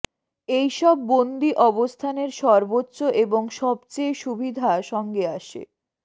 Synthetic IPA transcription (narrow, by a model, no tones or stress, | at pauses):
ejʃɔbːond̪iʔɔbost̪ʰaneɾʃɔɾbotːɕoʔeboŋʃɔbt͡ɕejʃubʱid̪ʱaʃɔŋɡeaʃḛ